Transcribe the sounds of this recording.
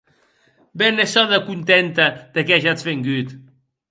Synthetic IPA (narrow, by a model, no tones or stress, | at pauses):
bɛnesɔðəkunt̪ent̪əd̪̥ekɛʒat͡sβeŋɡyt̪